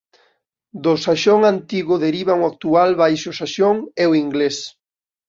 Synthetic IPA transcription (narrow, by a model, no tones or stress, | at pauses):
d̪ʊsaʃoŋant̪iɣʊðeɾiβaŋʊak̚t̪ualβajʃʊsaʃoŋeoiŋɡles